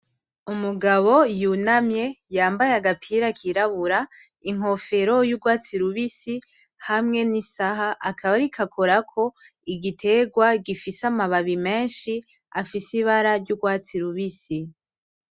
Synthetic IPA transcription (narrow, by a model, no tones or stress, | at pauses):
umuɡaβo̞junamje̞jaːmbajeaɡapʰiːɾakʰiɾaβuɾa | iŋ̥ɦo̞fe̞ɾo̞juɡwaːt͡siɾuβisi | hamŋe̞nisaɦaʔakʰaβaɾikʰakʰoɾakʰo̞ | iɡitʰe̞ːɡwaɡifisamaβaβime̞ːnʃi | afisiβaɾaɾɟuɡwaːt͡siɾuβisi